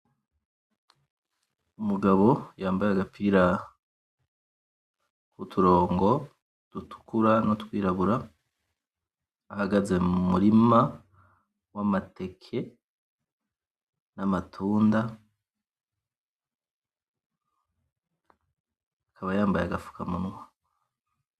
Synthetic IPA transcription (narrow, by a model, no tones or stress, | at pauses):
umuɡaβo̞jaːmbajaɡapʰiːɾa | kutʰuɾo̞ːŋɡo̞ | d̥utʰu̥kuɾanotkwiːɾaβuɾa | haɡaze̞mumuɾima | wamatʰe̞kʰe̞ | namatʰuːnda | kʰaβajaːmbajaɡafu̥kʰamunŋwa